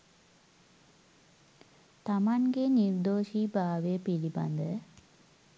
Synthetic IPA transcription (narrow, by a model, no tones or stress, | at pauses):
t̪amaŋɡeniɾd̪oːʃibaːʋeəpiliba̰nd̪ə